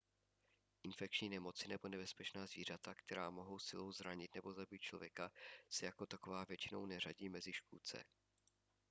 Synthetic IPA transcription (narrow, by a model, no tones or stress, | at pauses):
ʔɪnfɛk̚t͡ʃɲiːnɛmo̞t͡sɪnɛbo̞nɛbɛspɛt͡ʃnaːzviːr̝at̪akt̪ɛɾaːmo̞ɦo̞wsɪlo̞wzɾaɲɪt̪nɛbo̞zabit̪̚t͡ʃlo̞vjɛkasɛjakot̪ako̞vaːvjɛt͡ʃɪno̞̰wnɛr̝aɟiːmɛzɪʃkuːt͡sɛ̰